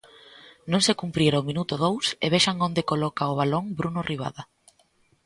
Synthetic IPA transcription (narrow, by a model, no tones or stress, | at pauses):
nõŋsekumpɾiɾaomĩnut̪ʊð̞owsḛβeʃaŋond̪ekolɔkaʊβ̞aloŋbɾunʊrʔiβ̞a̰ða